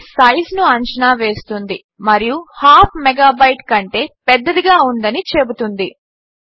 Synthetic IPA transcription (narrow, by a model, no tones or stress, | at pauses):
sɐjznuɐɲt͡ʃinaːʋe̞ːst̪und̪i | mɐɾijuhaːpʰmɛɡaːbɐjʈkɐɳʈe̞ːpɛd̪ːɐd̪iɡaːund̪ɐnit͡ʃebut̪und̪i